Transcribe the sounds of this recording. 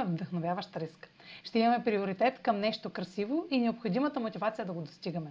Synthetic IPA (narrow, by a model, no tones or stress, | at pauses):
vd̪ɐxnovʲjavəʃt̪ɾisk | ʃt̪ɛimɐmɛpɾioɾit̪ɛt̪kəmnɛʃt̪okɾɐsivoʔinɛopxod̪imət̪əmot̪ʲivat̪sijəd̪ɐɡod̪ost̪iɡəmɛ